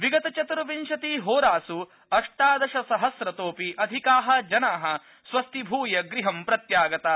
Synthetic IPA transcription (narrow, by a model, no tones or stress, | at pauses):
ʋiɡɐt̪ɐt͡ʃɐt̪ɾɐʋinʃɐt̪iːɦoːɾaːsu | ɐʂʈaːd̪ɐʃɐsɐɦɐsɾɐt̪oːpiʔɐd̪ʱikaːɦɐ̆d͡ʒɐnaːɦɐ̆ | sʋɐst̪ibʱuːjɐɡɾiɦɐmpɾɐt̪jaːɡɐt̪a